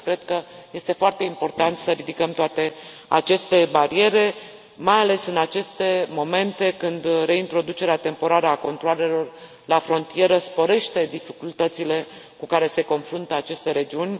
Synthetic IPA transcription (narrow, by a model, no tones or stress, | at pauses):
kɾe̞d̪kəje̞st̪e̞foart̪e̞impo̞rt̪ant̪səɾid̪ikəmt̪oat̪e̞ | a̰t͡ʃe̞st̪e̞baɾie̞ɾe̞ | majale̞sɨnat͡ʃe̞st̪e̞mo̞me̞nt̪e̞kɨnd̪re̞int̪ɾo̞d̪ut͡ʃe̞ɾeat̪e̞mpo̞ɾaɾəako̞nt̪ɾoale̞lo̞r | lafɾo̞nt̪ie̞ɾəspo̞ɾe̞ʃt̪e̞d̪ifikult̪ət̪sile̞ | kukaɾe̞se̞ko̞nfɾunt̪əat͡ʃe̞st̪e̞ɾe̞d͡ʒiunʲ